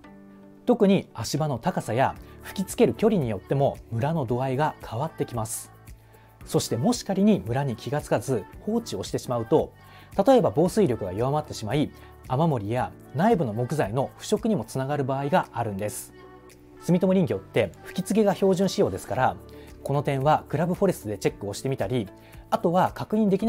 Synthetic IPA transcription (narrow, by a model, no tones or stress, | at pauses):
t̪o̞kɯ̟ɲ̟iaɕibano̞t̪akasajaɸɯ̟̥kʲit͡sɨ̥ke̞ɾɯ̟kʲo̞ɾʲiɲ̟ijo̞t̪ːe̞mo̞mɯ̟ɾano̞d̪o̞aiɡakʰaβat̪ːe̞kʲimasɨ̥ | so̞ɕi̥t̪e̞mo̞ɕi̥kaɾʲiɲ̟imɯ̟ɾaɲ̟ikʲiɡat͡sɨ̥kazɨho̞ːt͡ɕio̞ɕi̥t̪e̞ɕimaɯ̟t̪o̞ | t̪at̪o̞e̞babo̞ːsɨiɾʲo̞kɯ̟ɡajoβamat̪ːe̞ɕimai | amamo̞ɾʲija | naibɯ̟no̞mo̞kɯ̟zaino̞ɸɯ̟̥ɕo̞kɯ̟ɲ̟imo̞t͡sɨnaɡaɾɯ̟baːiɡaaɾɯ̟̃nd̪e̞sɨ̥ | sɨmʲit̪o̞moɾʲĩŋɡʲo̞t̪ːe̞ɸɯ̟̥kʲit͡sɨɡe̞ɡaço̞ːʑɨ̃ɰ̃ɕijo̞ːd̪e̞sɨ̥kaɾako̞no̞t̪ẽ̞ɰ̃βakɯ̟ɾabɯ̟ɸo̞ɾe̞sɨd̪e̞t͡ɕe̞kːɯ̟oɕi̥t̪e̞mʲit̪aɾʲi | at̪o̞βakakɯ̟ɲ̟ĩnd̪e̞kʲin